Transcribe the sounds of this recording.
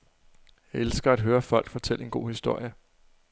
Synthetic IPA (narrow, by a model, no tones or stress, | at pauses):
jɑelsɡ̥ɐæd̥ɦøːɐfɒ̽l̰ɡ̥fɒ̽t͡sʰel̰e̝nɡ̥o̝̰ːhisd̥o̝ɐ̰jə